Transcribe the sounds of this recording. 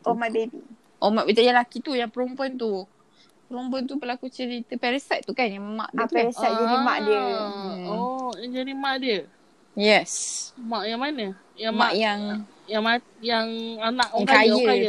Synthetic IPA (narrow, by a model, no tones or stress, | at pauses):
ʔɔmajbebḭ | ʔɔmaʔbit̪ajalakit̪ujaŋpəɾɔmpuɔnt̪u | pəɾɔmpuant̪upəlakut͡ʃəɾit̪əpɛɾəsɛt̪̚t̪ukanjama̰ʔd̪upɾəsat̪̚d͡ʒaima̰ʔdiə | ɔjaŋd͡ʒadimãʔdiə | jɛsmaʔjaŋmanə | jamaʔjaŋ | jaŋma | jaŋanaʔkaajəkaə